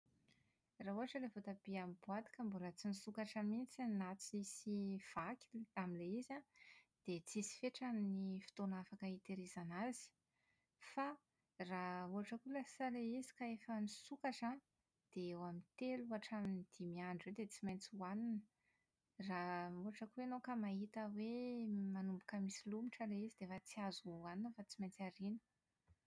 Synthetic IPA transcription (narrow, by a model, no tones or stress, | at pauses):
raɦuɦaʈ͡ʂəlevot̪abiamibuad̪i̥kambulət͡sinisukaʈ͡ʂamint͡sanat͡sisiv̥akʲilamileizad̪̥et͡sisi̥feʈ͡ʂaminifi̥t̪onafakəit̪eɾizanazi̥ | fa | rauɦaʈ͡ʂəkulasaleizi̥kaefənisukazan | d̪̥eewamint̪eluaʈ͡ʂaminid̪̥imiaɳɖ͡ʐwed̪et͡simajnt͡suaninə̥ | rauɦaʈ͡ʂəkuwenokamaɦit̪əwemanumbukəmisilumiʈ͡ʂəleizid̪efat͡siazuaninəfat͡simajnt͡saɾinə̥